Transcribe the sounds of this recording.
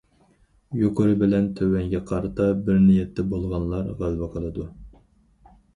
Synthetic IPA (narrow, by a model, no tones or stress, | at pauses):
joqʰoɾɨbɪlɛnt̪ʰøwɛŋɡʲɛqʰɑɾɨt̪ʰɑbɪɾnijɛt̪ʰːɛbolˠʁɑnlˠɑɾʁælwɛqʰəlˠɨd̪u